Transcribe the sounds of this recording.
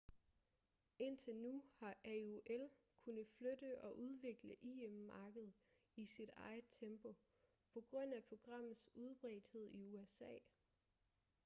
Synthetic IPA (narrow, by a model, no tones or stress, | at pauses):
e̝n̰t͡sʰe̝lnuhɑ̈ʔæuʔel | kʰunð̩ˠflød̥əʔɒ̽ʔuð̞ˠʋe̝ɡ̥ləʔiemːɑ̈ːɡ̥əð̞ˠ | isid̥ɑ̈ɪð̩ˠt͡sʰemb̥o̝ | pʰɒ̽ɡ̥ʁɔ̽n̰æpʰo̝ɡ̥ʁɑ̈m̰ð̩ˠsuð̞ˠb̥ʁɛ̰ːd̥he̝ð̞̰ˠiuesɛ̰ː